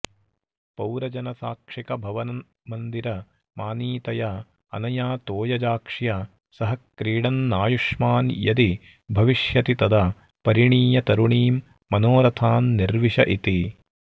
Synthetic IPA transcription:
pɐwɾɐd͡ʒɐnɐsaːkʂikɐbʱɐʋɐnɐ | mɐnd̪iɾɐ | maːniːt̪ɐjɐ | ɐ̰nɐjaːt̪oːjɐd͡ʒaːkʂjɐ | sɐɦɐkɾiːɽɐnːaːjuʂmaːnjɐ̰d̪i | bʱɐʋiʂjɐt̪it̪ɐd̪ɐ | pɐɾiɳiːjɐt̪ɐɾuɳiːmː | ɐnoːɾɐt̪ʰaːnːiɾʋiʂɐʔit̪i

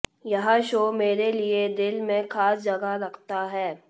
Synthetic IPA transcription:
jɐɦãʃoːmeːɾelied̪ɪlmẽxaːsd͡ʒɐɡaɾɐkʰt̪aɦɛː

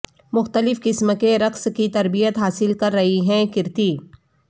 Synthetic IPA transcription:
mʊxt̪əlɪfkɪsmkeɾɐqskit̪ɐɾbijət̪ɦaːsɪlkɐɾːɐɦiɦɛ̃kɪɾt̪iː

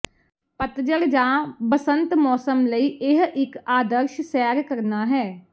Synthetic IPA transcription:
pət̪d͡ʒəld͡ʒãːbəsənt̪mɔːsəmləiːɪɦɪkaːd̪əɾʃsɛːɾkəɾnaːɦɛː

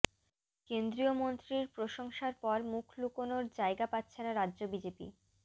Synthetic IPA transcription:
kend̪ɾiomont̪ɾiɾpɾoʃoŋʃaɾpɔɾmukʰlukonoɾd͡ʑaeɡapatːɕʰenaɾadːʑobid͡ʑepḭ

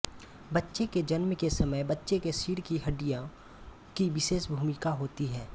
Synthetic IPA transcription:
bɐtːʃeked͡ʒɐnmkesɐməjbɐtːʃekesiːɽkiɦɐɖijã | kiʋɪʃeːʃbʱuːmɪkaɦoːt̪iɦɛː

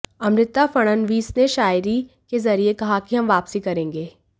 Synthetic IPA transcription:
ɐmɾɪt̪afɐɽ̃ənʋiːsneʃaːjɾi | kezɐɾiekɐɦakiɦɐmʋaːpsikɐɾẽːŋɡeː

